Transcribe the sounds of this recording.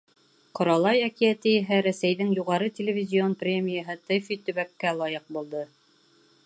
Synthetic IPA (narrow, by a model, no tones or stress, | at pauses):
qŏɾɑlˠɑjækijæt̪ɘjɘ̆ɦæɾæsæjðɘŋjuʁɑɾɤt̪ʲelʲɪvʲɪzʲionprʲemʲijəɦɤt̪ɤfit̪ɵ̆βækːælˠɑjɤq̚bulˠd̪ɤ